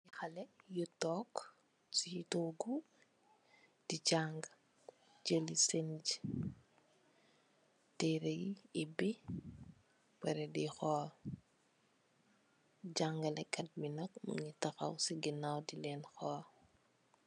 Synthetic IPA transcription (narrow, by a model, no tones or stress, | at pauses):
ixɐlɛjutɔk | situɡu | d̥iɟaŋɡ | ɟəlisend͡ʒ | tɛɾəjːbi | wɛɾɛdixɔː | ɟaŋɡɐlɛkːɐt̚minɐk̚mṵɲitɐxɐ̰wsiɡinawdilɛnxɔː